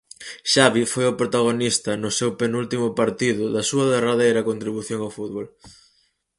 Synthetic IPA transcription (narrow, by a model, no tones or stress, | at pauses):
ʃaβifojʊpɾot̪aɣ̞onist̪ɐnʊsewpenult̪imʊpaɾt̪iðʊðɐsuɐðeraðejɾɐkont̪ɾiβuθjoŋawfuðβol